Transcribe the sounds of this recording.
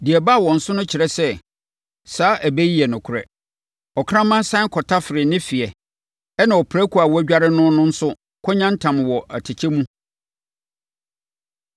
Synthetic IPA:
di˨ɛ˨ba˦˨wɔ̃˨n̩˨sʊ˦nʊ̃˦t͡ɕʰɪ˨ɾɛ˦sɛ˦ | saː˨˦ʔæ˨bɛ˦ji˦ɛ˨nʊ̃˨kʰʊ˨ɾɛ̰˨ | ɔ˨kʰã˦mã˦n˦sã˦ŋ˦kʰɔ˨tʰa˦fɪ˨ɾɪ˨nɪ̃˦fi˨ɛ˨ | ɛ˦nã˨ɔ˨pʰɾæ˦kʰu˨a˨wɔ˦æ˦ɟᶣa˦ɾɪ˦nʊ̃˦nʊ̃˦n̩˦sʊ˦ | kʰɔ˦ɲã˦n˦tʰã˨m˨wɔ˨ʔæ̰˨tʰɪ˨t͡ɕʰɛ˦mũ˦

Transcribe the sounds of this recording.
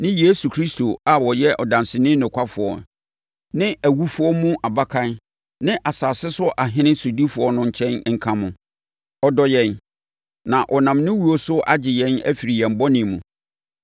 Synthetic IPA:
nɪ̃˦je˦su˨kʰɾi˦stʰo˨a˦wɔ˨jɛ˦ʔɔ˨dã˨nsɪ˨nɪ̃˦nʊ̃˨kʷʰa˦fʊ˨ɔ̰˨ | nɪ̃˦æ˨wu˦fʊ˦ɔ˦mũ˦ʔa˨ba˦kʰã˦n | nɪ̃˦ʔa˨saː˨sɪ˦sʊ˦ʔa˨ɦɪ̃˦nɪ̃˦so˨di˦fʊ˨ɔ˦nʊ̃˦ɲ̩˦˨t͡ɕʰɛ̃˦n˦ŋ̩˦kʰã˦mʊ̃˨ | ɔ˦dɔ˦jɛ̃˦n | nã˨ʔɔ˨nã˨mnɪ̃˦wu˦o˦sʊ˦ʔa̰˦d͡ʑɪ˨jɛ̃˦næ̰˦fi˨ɾi˨jɛ̃˨m̩˨bɔ˦nɪ̃˨mũ˨

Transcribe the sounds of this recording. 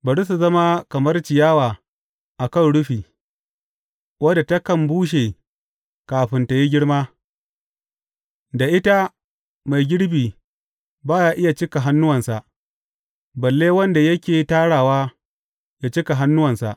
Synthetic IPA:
bɐ˨ɽu˦s̬u˨zɐ˦ma˦kɐ˨mɐ˦rt͡ʃɪ˨jaː˦waː˨ | ʔa˨kɐ˦˨nɽʊ˦ɸiː˨ | wɐ˦da˨tɐ˦kɐ˦˨mbuː˦ʃ̬eː˨ | kaː˨ɸɪ˦nta˨ji˦ɡʲɪ˦ɽmaː˦ | da˨ʔɪ˦ta˦ | ma˨jɡʲɪ˦ɽbiː˨ | baː˦jaː˦ʔɪ˦ja˨t͡ʃɪ˦ka˨ɦa˦nːʊ˦wɐ˨nsa˨ʔ | bɐ˨lːeː˦wɐ˦nda˨jɐ˦kʲeː˨taː˦ɽaː˨waː˦ | jaː˦t͡ʃɪ˦ka˨ɦa˦nːʊ˦wɐ˨nsa˨ʔ

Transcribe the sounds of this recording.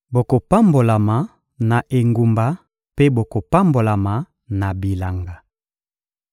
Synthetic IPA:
bo˨ko˨pa˦mbo˨la˨ma˨ | na˨ʔe˨ŋɡu˨mba˨ | pe˦bo˨ko˨pa˦mbo˨la˨ma˨ | na˨bi˨la˨ŋɡa˨

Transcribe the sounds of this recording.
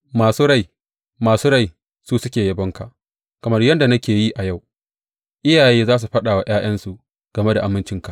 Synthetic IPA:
maː˨suː˦ɽa˦˨j | maː˨suː˦ɽa˦˨j | suː˦sʊ˦kʲeː˨jɐ˦bɔ˦ŋka̰˨ʔ | kɐ˨mɐ˦rjɐ˦nda˨nɐ˦kʲeː˨ji˦ʔa˨ja˦˨w | ʔɪ˦jaː˨jeː˦zaː˦s̬u˨ɸɐ˦ɗaː˨wa˨j̰aː˦j̰ɐ˦nsu˨ʔ | ɡ̥ɐ˨me˦da˨ʔa˨mɪ˦nt͡ʃɪ˦ŋka˨ʔ

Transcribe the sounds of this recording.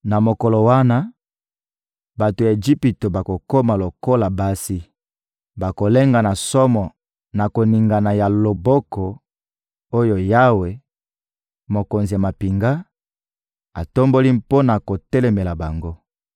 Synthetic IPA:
na˨mo˨ko˨lo˨wa˦na˦ | ba˨to˨ja˨e˨d͡ʒi˦pi˨to˨ba˨ko˨ko˦ma˨lo˨ko˦la˨ba˦si˦ | ba˨ko˨le˦ŋɡa˨na˨sɔ˦mɔ˨ | na˨ko˨ni˨ŋɡa˨na˨ja˨lo˨bɔ˦kɔ˨ | o˦jo˨ja˦we˨ | mo˨ko˨nzi˨ja˨ma˨pi˨ŋɡa˦ | a˨to˦mbo˦li˦po˦na˨ko˨tɛ˦lɛ˨me˨la˨ba˨ŋɡo˦

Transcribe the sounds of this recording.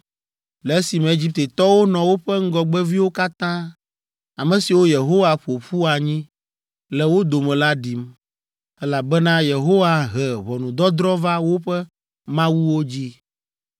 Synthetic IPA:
lɛ˨˦si˨mɛ̃˨e˦d͡ʑi˦p̚t̪e˨t̪ɔ˦wo˦nɔ̃˨wo˦ɸɛ˦ŋ̩˦ɡɔ˨ɡ͡bɛ˦vi˦wo˦ka˦t̪ã˦ | a˨mɛ̃˨si˨wo˦je˨ɦo˦wa˨ɸo˨ɸu˦a˨ɲĩ˦ | lɛ˨wo˦d̪o˨mɛ̃˨la˦ɖi˨m | ɛ˦la˨bɛ˦nã˦je˨ɦo˦wa˨ɦɛ˨βɔ˨nũ˨d̪ɔ˦d̪ɾɔ˦va˦wo˦ɸɛ˦ | mã˦wu˦wo˦d͡ʑi˦

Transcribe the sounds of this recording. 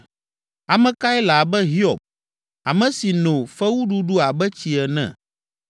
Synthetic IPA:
a˨mɛ̃˨ka˦ɛ˦la˨bɛ˦ɦi˦ɔ˨b̚ | a˨mɛ̃˨si˨nõ˨fɛ˦wu˦ɖu˦ɖu˦a˨bɛ˦t͡ɕi˨ɛ˨nɛ̰̃˨

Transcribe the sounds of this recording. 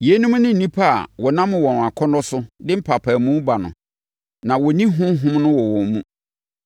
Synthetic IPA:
je˨˦nʊ̃˦m̃˦nʊ̃˦n̩˨nĩ˦pʰa˦a̰˨wɔ˨nã˦mʊ̃˨wɔ̃˨n˨a˨kʰɔ˦nɔ˦sʊ˦dɪ˦m̩˦pʰa˨pʰa˨mũ˦ba˨nʊ̰̃˨ | nã˨wɔ˨nĩ˦ɦʊ̃˦mɦʊ̃˦mnʊ̃˦wɔ˨wɔ̃˨mmũ˦

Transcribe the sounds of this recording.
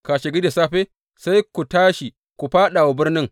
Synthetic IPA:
ka˨ʃɪ˨ɡi˦de˨saː˦ɸeː˦ | sa˦jku˨taː˦ʃi˨ | ku˨ɸaː˦ɗa˨wa˨bɪ˦rnɪ˦ŋ

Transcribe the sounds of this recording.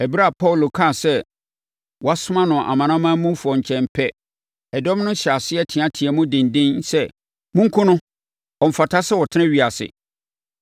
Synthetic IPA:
ɛ˨bi˦ɾa˦˨pʰɔ˦˨lo˨kʰã˦˨sɛ˦ | wɔ˨a˦sʊ˦mã˦nʊ̃˨ʔa̰˨mã˨nã˦mãː˦mũ˦fu˨ɔ˨ɲ̩˨t͡ɕʰɛ̃˨m˨pʰɛ˦ | ɛ˨dɔ˦m˦nʊ̃˦n˦ɕa˨sɪ˦ɛ˦tʰɪ̃˨ã˦tʰɪ˨ɛ˨mʊ̃˦dɪ̃˨n˨dɪ̃˦n˦sɛ˦ | mũ˦ŋ̩˦kʰʊ̃˦nʊ̃˦ | ɔ˨m̩˨fa˨tʰa˦sɛ˦wɔ˨tʰɪ˦nɪ̃˦ɥi˨a˨sɪ̰˨

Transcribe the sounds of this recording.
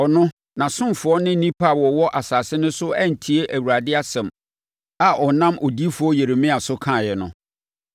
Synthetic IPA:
ɔ˨nʊ̃˦ | nã˨sʊ̃˦mfʊ˨˦ɔ˦nɪ̃˦nĩ˦pʰa˦˨wɔ˨wɔ˦ʔa˨saː˨sɪ˦nʊ̃˦sʊ˦æ˦n̩˨tʰi˨e˦ʔæ˨wu˨ɾa˨dɪ˦a˦sɛ̃˨m | a˨ʔɔ˨nã˦mʔɔ˨di˦fʊ˨ɔ˦je˨ɾe˨mĩ˦a˨sʊ˦kʰã˦˨jɛ˨nʊ̰̃˨

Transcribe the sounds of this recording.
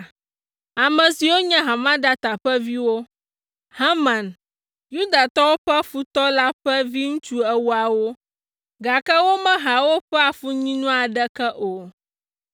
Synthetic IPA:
a˨mɛ̃˨si˨wo˦ɲɛ̃˦ɦã˨mã˦d̪a˦t̪a˨ɸɛ˦vi˦wo˦ | ha˦mã˨n | ju˦d̪a˨t̪ɔ˦wo˦ɸɛ˦fu˦t̪ɔ˦la˦ɸɛ˦vi˦ŋũ˦t͡ʃu˦ɛ˦wu˦a˨wo˦ | ɡa˨kɛ˦wo˦mɛ̃˦ɦa˨wo˦ɸɛ˦a˨fu˦ɲĩ˦nũ˦a˨ɖɛ˦kɛ˦ʔo˨

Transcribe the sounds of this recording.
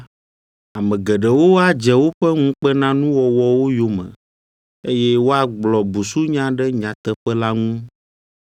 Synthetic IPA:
a˨mɛ̃˨ɡɛ˨ɖɛ˨wo˦a˦d͡ʒɛ˨wo˦ɸɛ˦ŋũ˦k͡pɛ˦nã˦nũ˦wɔ˨wɔ˨wo˦jo˨mɛ̰̃˨ | e˦jɛ˦wo˦a˦ɡ͡blɔ˨bu˨su˦ɲã˦ɖɛ˦ɲã˨t̪ɛ˦ɸɛ˦la˦ŋũ˦

